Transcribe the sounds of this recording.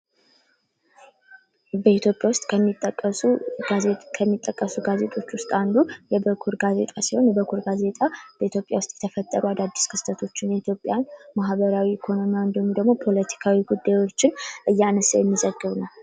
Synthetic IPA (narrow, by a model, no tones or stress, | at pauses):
bəit̪jo̞pʼjawʊst̪ʼkʰət̪ʼːəkʼːə | kʰəmːit̪ʼːəkʼːəsuɡaze̞t̪ʼo̞t͡ʃːwʊst̪ʼand̪ujɛbəkʰuɾɡaze̞̰t̪ʼasiho̞njɛbəkʰuɾɡaze̞t̪ʼab̥əit̪ʰjo̞pʼjawʊst̪ʼjɛ̥t̪ʰəfət̪ʼːəɾuad̪ad̪ːiskʰɨ̥st̪ʰət̪ʰo̞t͡ʃːɪnjɛit̪ʰjopʼjanmaɦβəɾawiːkʰo̞no̞miand̪əɲud̪əɡmo̞pʰo̞lət̪ʰi̥kʰawiɡud̪ːajwo̞t͡ʃːɪnʔɨjːɛanəsajɛmːizəɡːɨβnəw